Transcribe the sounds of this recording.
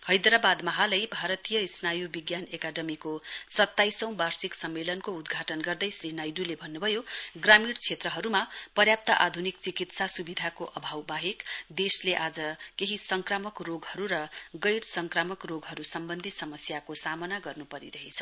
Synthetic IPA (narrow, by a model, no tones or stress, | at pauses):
hʌjd̪ɾabad̪mʌɦalʌjbʱaɾʌt̪ijʌisnajubiɡjanekaɖʌmikosʌt̪ːajsʌ̃w̃barsiksʌmːelʌnkoud̪ɡʱaʈʌnɡʌrd̪ʌjsrinajɖulebʱʌnːubʱʌjoɡramiɽt͡sʰet̪rʌɦʌɾumapʌrjap̚t̪ʌʔad̪ʱunik̚t͡sikit̪sasubid̪ʱakoʔʌbʱawbaɦekd̪esleʔad͡zʌkeɦisʌŋkramʌkroɡɦʌɾuɾʌɡʌjɽsʌŋkramʌkroɡɦʌɾusʌmbʌnd̪ʱisʌmʌsjakosamʌnaɡʌrnupʌɾḭɾʌɦet͡sʰʌ̥